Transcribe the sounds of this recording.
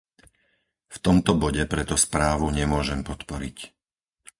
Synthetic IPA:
ft̪ɔmt̪ɔbɔɟɛpɾɛt̪ɔspɾaːʋuɲɛmʊɔʒɛmpɔt̪pɔɾic

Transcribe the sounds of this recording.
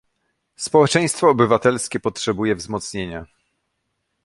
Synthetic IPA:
spɔwɛt͡ʂɛ̃j̃st̪fɔːbɘvat̪ɛlskʲɛpɔtʂɛbujɛvzmɔt̪sɲeɲa

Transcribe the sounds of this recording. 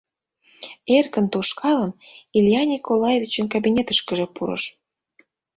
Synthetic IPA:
erkə̆nt̪oʃkʰɑlənilʲjɑnʲikʰolɑjevʲit͡ɕə̆nkabinʲet̪əʃkəʒĕpuɾə̰ʃ

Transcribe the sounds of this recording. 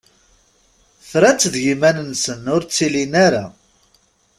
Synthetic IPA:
θɾæt͡sːðʝimænənsənʊɾt͡sːilinaɾa

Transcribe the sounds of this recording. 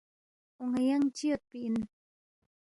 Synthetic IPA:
ʊŋajaŋt͡ʃiot̪̚piin

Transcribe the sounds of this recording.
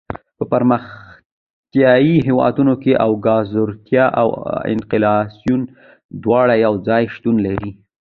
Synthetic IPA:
pəpaɾməx | t̪jɑjiɦewɑ̰d̪unokeʔawɡɑzʊɾt̪jɑʔa̰wɪ̰nqɪlɑsjun | d̪wɑɽajawd͡zɑjʃt̪unlaɾi

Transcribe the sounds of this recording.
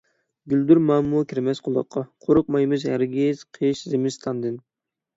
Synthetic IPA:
ɡʲyld̪yɾmɑmːukʲʰiɾmɛsqʰʊlˠɑ̰qʰːɑqʰoɾʊq̚mɑjmɨzhæɾɡʲiz̥qʰɨʃzɪmɪst̪ʰɑnd̪ɨn

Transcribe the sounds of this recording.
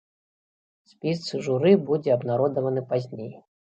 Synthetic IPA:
sʲpʲist̪sɨʐuɾɨbud͡zʲɛɐbnaɾɔd̪ɐvɐnɨpazʲnʲej

